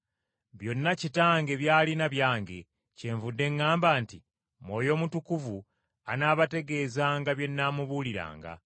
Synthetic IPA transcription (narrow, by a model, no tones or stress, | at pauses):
βjo̞nːacitaːŋɡe̞βjaːlinaβjaːŋɡe̞̰ | ce̞ːɱvudːe̞ŋːaːmbaːnti | mwo̞ːjo̞ːmutukuvu | anaːβate̞ɡe̞ːzaŋɡaβje̞nːaːmuβuliɾa̰ːŋɡa̰